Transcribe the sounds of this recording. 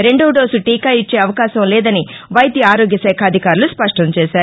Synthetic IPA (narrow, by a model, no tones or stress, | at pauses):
ɾe̞ɳɖuɖoːsuʈiːkajit͡ʃːeːɐʋɐkaːʃɐmlɛːd̪ɐniʋɐjt̪jɐaːɾoːɡjɐsɛːkʰɐːd̪ʱikaːɾuluspɐʂʈɐɲt͡ʃɛːʃaːɾu